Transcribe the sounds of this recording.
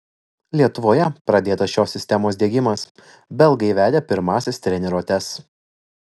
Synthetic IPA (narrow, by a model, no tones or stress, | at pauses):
lʲiɛt̪ʊʋoːjɛpɾɐd̪ʲeːt̪ɐsʃʲoːsʲɪsʲt̪ʲɛmoːsʲd̪ʲeɛɡʲɪmɐs | bʲɛlˠɡɐɪʋʲæːd̪ʲeːpʲɪɾmɑːsʲɪst̪ʲɾʲɛnʲɛɾoːt̪ʲɛs